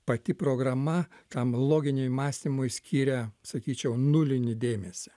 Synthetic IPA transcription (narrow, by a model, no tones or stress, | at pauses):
pɐt̪ʲɪpɾoːɡɾɐmɐt̪ɐmlˠoːɡʲɪnʲɛmɑːsʲt̪ʲɪmʊɪsʲkʲʰiːɾʲɛsɐkʲiːt͡ʃʲɛʊnʊlʲɪnʲɪd̪ʲeːmʲɛsʲɪ̥